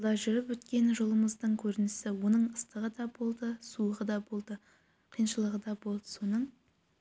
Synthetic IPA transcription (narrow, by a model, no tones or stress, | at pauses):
d̪ɑʒʏɾɪpwɵt̪kʲe̞nʒo̞lˠəməzd̪əɴkʲʰɵɾɪnɪsɪwo̞nəɴəst̪əʁəd̪ɑbo̞lˠd̪əsuəʁəd̪ɑbo̞lˠd̪ə | qʰijnʃəlˠəʁəd̪ɑbo̞lˠd̪ə̥so̞nəɴ